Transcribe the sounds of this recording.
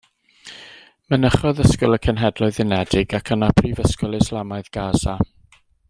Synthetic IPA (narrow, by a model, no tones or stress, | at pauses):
mənəχɔðəskʊlˠəkʰənɦɛdlˠʊɨðɪnɛdɪɡakʰənapʰrivəskɔlˠɪslˠamaɨðɡ̥aza